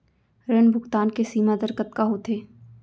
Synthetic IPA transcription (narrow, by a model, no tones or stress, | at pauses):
ɾənbʱʊkt̪aːnkesiːmad̪əɾkət̪kaɦot̪ʰeː